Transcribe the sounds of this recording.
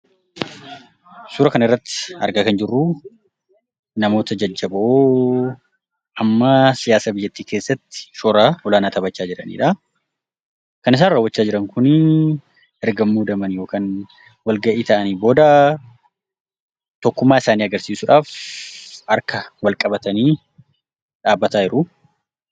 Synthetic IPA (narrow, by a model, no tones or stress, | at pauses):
suːɾɐkɐnɪrːɐt̪ːɪ̥ɐ̰ɾɡakɐnd͡ʒɪrːu | nɐmo̞ːt̪ɐd͡ʒɐd͡ʒːɐbɐʔoː | ʔɐmːɐsɪjaːsaːbɪjːɐt̪ːiːke̞ːsːɐt̪ːɪ̥ʃoɾaːɔlaːnaːt̪ʰɐbɐt͡ʃːaːd͡ʒɪɾɐnḭːᶑɐ | kɐnɪs̬aːnrɐwːɐt͡ʃːaːd͡ʒɪɾɐŋkʊn | ɛɾɡɐmːuːd̪ɐmɐnjo̞ːkaːn | wɐlɡɐʔiːt̪ɐʔɐniːbo̞ːd̪ɐ | t̪ɔkːʊmːaːɪsaːniːɐɡɐɾsiːsʊᶑaːf | ɐɾkɐwɐlkʼɐbɐt̪ɐniː | ᶑaːbːɐt̪aːɪɾʊ